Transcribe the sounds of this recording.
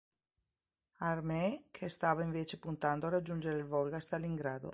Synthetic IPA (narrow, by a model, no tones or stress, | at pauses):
armɛkʰest̪aːvaiɱveːt͡ʃepunt̪and̪oarad͡ʒːund͡ʒeɾeilvɔlɡast̪alːiŋɡɾaːd̪o̰